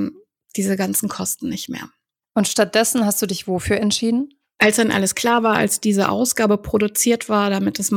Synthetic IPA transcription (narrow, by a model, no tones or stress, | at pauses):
d̥iːzəɡant͡sn̩kʰɔstn̩nɪçtmḛːɐ | ʔʊntʃtat̚d̥ɛsn̩hastd̥uːdɪçv̥ofyːɐɛntʃiːdn̩ | ʔalsd̥anʔa̰ləskʰl̥aːɐvaːɐʔa̰lsd̥iːzəʔa̰ʊsɡ̥aːbəpʁ̥odut͡siːɐtv̥aːɐdamɪtdasm